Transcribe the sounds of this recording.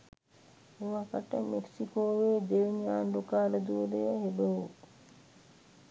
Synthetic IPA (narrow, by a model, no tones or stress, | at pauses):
oʋakəʈəmeksikoːʋeːd̪eʋɲaːnlokaːləd̪uɾejəɦebəɦu